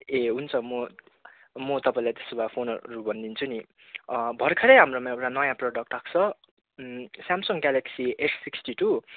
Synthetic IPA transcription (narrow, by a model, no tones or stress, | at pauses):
eɦunt͡sʰʌmʌ | mʌt̪ʌpaĩlajt̪e̥sobapʰonʌɾubʌnd̪int͡sʰuni | bʱʌrkʰeɾʌjɦamromãewʈanʌjãproɖʌk̚ʈrak̚ʰt͡sʰʌ | sjamsʌŋɡɡaleksiʔesːiksʈiʈu